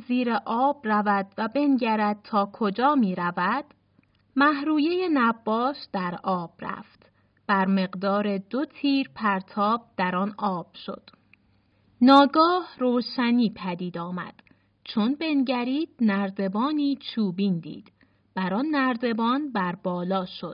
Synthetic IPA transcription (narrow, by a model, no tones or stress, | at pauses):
ziːɾeʔɒːbrævæd̪̥væbe̞nɟæɾæd̪̚t̪ʰɒːkʰod͡ʒɒːmiːɾævæd̪̥ | mæhɾuːjejenæbːɒːʃd̪̥æɾɒːb̥ræ̰ft̪ | b̥æɾme̞ɣd̪ɒːɾe̞d̪o̞t̪ʰiːɾpʰæɾt̪ʰɒːb̥̚d̪̥æɾɒnʔɒːb̥ʃo̰d̪̥ | nɒːɡɒːhroːʃæniːpʰæd̪iːd̪ɒːmæ̰d̪̥ | t͡ʃʰo̞nbe̞nɟæɾiːd̪̥̚næɾd̪e̞bɒːniːt͡ʃʰuːbiːnd̪ḭːd̪̥ | b̥æɾɒːnːæɾd̪e̞bɒːnbæɾbɒːlɒːʃod̪̥